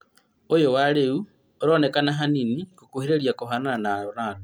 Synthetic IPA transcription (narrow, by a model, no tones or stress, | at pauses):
ojowaɾeu | oɾonekanaɦaninikokuheɾeɾjakoɦanaanaonano